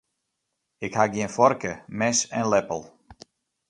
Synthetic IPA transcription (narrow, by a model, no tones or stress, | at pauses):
ɪkhaɡjiɪənfɔrkəmɛsɛnlɛpəlˠ